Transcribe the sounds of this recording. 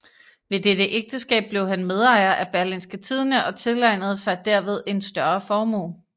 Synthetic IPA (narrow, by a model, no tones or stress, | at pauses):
ʋe̝dedəʔeɡ̥̚d̥əsɡ̥ɛ̰ːb̥̚b̥le̝ʊhænmeð̞ˠɑ̈ɪ̰ɐʔæb̥æɐlinsɡ̥ət͡sʰið̞ˠnəʔɒ̽t͡sʰe̝lɑ̈ɪnəð̞ˠəsɑ̈ɪd̥æɐ̰ʋe̝ð̞ˠe̝nsd̥ɶɐfɒːmo̝̰ː